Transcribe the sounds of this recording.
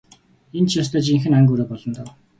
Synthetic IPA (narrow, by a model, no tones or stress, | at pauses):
ent͡ɕʰjɔːst̪ʰœːt͡ɕiŋxɘ̆naŋɡuːɾeːpɔɮɞ̆nt̪ɔw